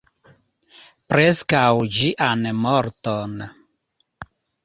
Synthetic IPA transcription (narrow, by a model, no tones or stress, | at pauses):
pɾɛskawd͡ʒiʔanɛmɔɾt̪ɔna